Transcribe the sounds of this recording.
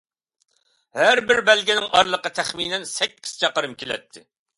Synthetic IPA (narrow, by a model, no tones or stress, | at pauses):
hæɾbɪɾbɛlɡʲinɪŋʔɑɾlˠəqɑt̪ʰɛχminɛnsɛkʲʰːi̥z̥t͡ʃʰɑqəɾɨmkʲʰelɛ̰t̪ʰːɪ